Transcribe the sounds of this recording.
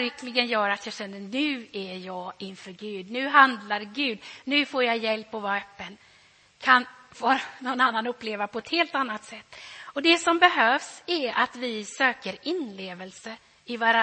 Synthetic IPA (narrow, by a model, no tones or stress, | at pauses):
ɾɪkʰlɪɡənjœːɾat̪jɑːɕɛnːənʉ̟ːæjɑːɡɪnfœɾɡʉ̟ːd̪nʉ̟ːɦand̪laɾɡʉ̟ːd̪nʉ̟ːfoːɾjajɛlpːɔvɑːɾaœːpːən | kʰan | voːɾanɔnanːanɵpːleːvapʰɔɛt̪heːlt̪anːat̪sɛt̪ːɔd̪ɛsɔmbɛɦøːvsæɾat̪vɪsøːkəɾɪnleːvəlsə | ɪvaɾa